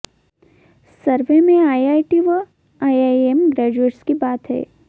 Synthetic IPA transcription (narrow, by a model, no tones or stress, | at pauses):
səɾʋemẽaːiaːiʈiʋə | aːjaːemɡɾɛːd͡ʒueːʈskibaːt̪ɦɛ̰ː